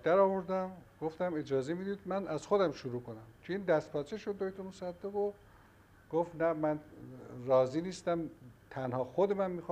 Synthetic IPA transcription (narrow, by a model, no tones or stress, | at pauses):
d̪̥æɾɒːvoɾd̪æmɡ̥oft̪æmed͡ʒɒːzemid̪id̪mænæzxod̪æmʃuɾuːkonæmcʰeiːnd̪æst̪̚pʰɒːt͡ʃʰeʃod̪ːojt̪ʰomosæd̪ːeɣo | ɡ̥oft̪næmænrɒːziniːst̪æmt̪ʰænhɒːxod̪emænmiːx